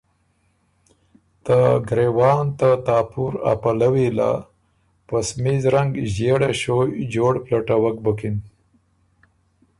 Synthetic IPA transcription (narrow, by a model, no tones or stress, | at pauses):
t̪aɡɾewɑnt̪at̪ɑːpʰuɾa̰palawila̰ | pasmizɾaŋɡʑeɽaɕojd͡ʒoɽplaʈawak̚bəkin